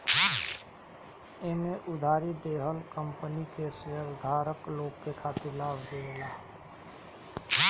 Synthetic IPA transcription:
ɪneʔʊd̪ʱaːɾid̪eːɦəlkəmpənikesəɦəwd̪ʱaːɾəkloːɡkekʰaːt̪ɪɾlaːbd̪elaː

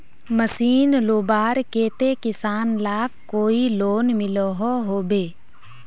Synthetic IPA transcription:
məsiːnloːbaːɾkeːt̪ekɪsaːnlaːkkːoːiloːnmɪloɦoɦoːbeː

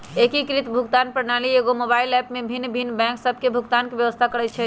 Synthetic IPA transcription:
ekikɾit̪bʱukt̪anpɾənalieɡomobailɛpmebʱinːbʱinːbɛ̃ŋksəb̚ʱkebʱuɡt̪ankebjəʋəst̪ʰakəɾɛt͡ʃʰɛ

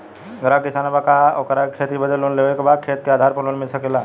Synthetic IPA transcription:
ɡəɾakisanabakaokəɾakʰet̪ibəd̪əlunleʋekbakʰet̪̚keaːd̪ʱaɾpəlunmilsəkela

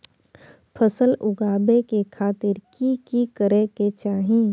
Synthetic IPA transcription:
pʰəsəlʊɡaːbekekʰaːt̪ɪɾkikikəɾeket͡ʃaːɦĩː

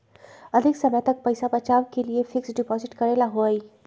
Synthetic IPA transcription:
ɐd̪ʱɪksɐməjt̪ɐk̚pɐɪsapɐt͡ʃaːʋkeliefɪksɖɪpɔːzɪʈkɐɾeːlaɦoaiː

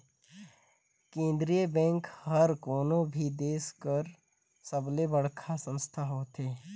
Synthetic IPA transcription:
kẽːnd̪ɾijəbɛ̃ːŋkhəɾkoːnõbʱid̪eːskəɾ | səblebəɽkʰasə̃nst̪ʰaɦoːt̪eː

